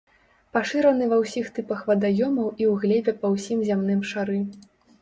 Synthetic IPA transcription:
paʂɨɾɐnɨvɐwsʲixt̪ɨpɐxvɐd̪ajɔmɐwʔiwɣlʲɛbʲɛpɐwsʲimzʲamnɨmʂaɾɨ

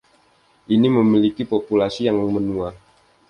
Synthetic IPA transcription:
ʔiniməmilikipopulasijaŋmənua

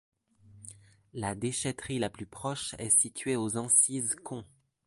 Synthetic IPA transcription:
lad̪eʃɛt̪χilaplypχɔʃɛ̰sit̪ʰɥeozɑ̃sizkʰɔ̃

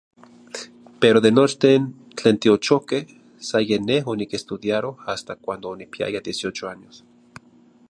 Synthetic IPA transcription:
peɾoðenot͡ʃt̪en | t͡ɬeːnt̪iot͡ʃokeh | sajeneɦonikest̪uðjaɾohast̪akʷand̪oːnipia̰jad̪jesjot͡ʃoanjos

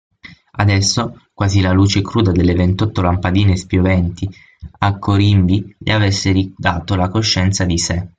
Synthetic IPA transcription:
ad̪ɛsːokwaːzilaluːt͡ʃekɾuːd̪ad̪elːevent̪ɔt̪ːolampad̪iːnespjovɛnt̪i | akʰːoɾimbiʎʔḛavesːeɾid̪aːt̪olakoʃːɛnt̪sad̪ise

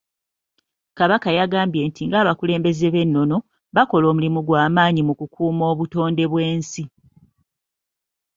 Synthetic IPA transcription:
kaβakajaɡaːmbje̞ːntiŋɡaːβakule̞ːmbe̞ze̞βe̞nːo̞no̞ | βako̞lo̞ːmulimuɡwaːmaːɲimukukʰuːmo̞ːβuto̞ːnde̞βwe̞ːnsi

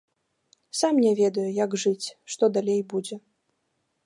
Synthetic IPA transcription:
samnʲɛvʲɛd̪ɐjujɐɡʐɨt͡sʲʂt̪ɔd̪alʲejbud͡zʲɛ

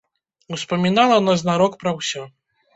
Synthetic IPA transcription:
wspɐmʲinalˠɐnɔzʲnaɾɔkpɾɐwsʲɔ

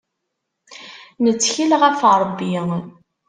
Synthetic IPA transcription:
nət͡sːçilʁæfɾˤbːi

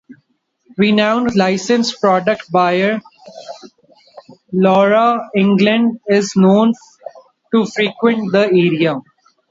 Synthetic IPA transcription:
ɾinãʊ̃nɖlaɪsə̃nspɾɔːɖək̚ʈ̚baɪəɾ | lɔːɾaɪ̃ŋɡlə̃ɳɖɪznõːn | ʈufɾiːkwə̃ɳʈ̚d̪əeːɾia

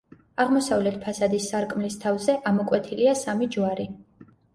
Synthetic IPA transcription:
aʁmɔsavlɛt̪̚ʰpʰasad̪isːaɾkʼmlist̪ʰavzɛʔamɔkʼwɛt̪ʰiliasamid͡ʒuwaɾi

